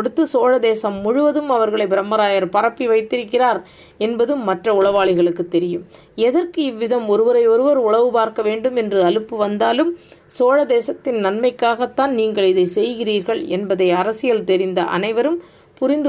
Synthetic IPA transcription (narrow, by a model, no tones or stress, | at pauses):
ɔɽɯt̪ːɯsoːɻɐd̪eːsɐmːʊɻʊʋɐðɯmɐʋɐɾɣɐɭɐɪbɪɾɐmːɐɾaːjɐɾpɐrɐpːiʋɐɪt̪ːɪɾɯkːɪraːɾ | ɛnbɐðɯmːɐʈrɐʊɭɐʋaːɭɪɣɐɭɯkːɯt̪ːɛɾɪjɯm | ɛðɐrkɯɪʋːɪðɐmɔɾɯʋɐɾɐɪɔɾɯʋɐɾʊɭɐʋɯpaːɾkɐʋeːɳɖɯmɛndrɯɐlɯpːɯʋɐnd̪aːlɯm | soːɻɐd̪eːsɐt̪ːɪnnɐnmɐɪkːaːɣɐt̪ːaːnniːŋɡɐɭɪðɐɪsɛjɣɪriːɾɣɐɭɛnbɐðɐɪɐɾɐsɪjɐlt̪ɛɾɪnd̪ɐʔɐ̰nɐɪʋɐɾɯm | pʊɾɪnd̪